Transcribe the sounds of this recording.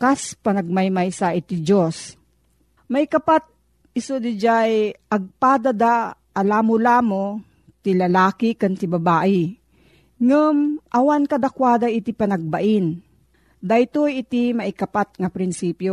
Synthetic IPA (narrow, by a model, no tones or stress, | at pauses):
kaspanɐɡ̚majmajsaʔɪt̪id͡ʒos | mɐʔikɐpat̪̚ | ɪsod̪ɪd͡ʒajɐɡ̚paːd̪ad̪a | ʔːlaːmʊlaːmo | t̪ɪlɐlaːkɪkant̪ɪbɐbaːʔɪ | ŋʊmʔɐwankɐd̪akwaːd̪aʔɪt̪ɪpɐnɐɡ̚baʔɪn | d̪ajt̪ojɪt̪imaʔɪkɐpat̪̚ŋapɾɪnsiːpjo